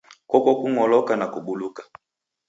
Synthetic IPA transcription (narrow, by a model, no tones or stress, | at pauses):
kɔkɔkuŋɔlɔkanakuɓulukḁ